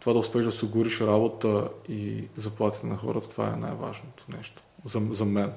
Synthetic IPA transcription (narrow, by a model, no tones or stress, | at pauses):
t̪ovad̪ɐʊspɛʒd̪ɐsʲiɡuɾiʃɾabot̪əizɐplˠat̪i̥t̪ɛnɐxɔ̰ɾət̪ə̥t̪ova̰ɛ̰na̰jva̰ʒnot̪o̥nɛ̰ʃt̪o̥zɐzɐmɛn